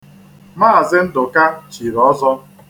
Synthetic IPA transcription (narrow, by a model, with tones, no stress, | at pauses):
maː˦˨zɪ˦n̩˦dʊ˨ka˦t͡ʃi˨ɾɔ˦zɔ˦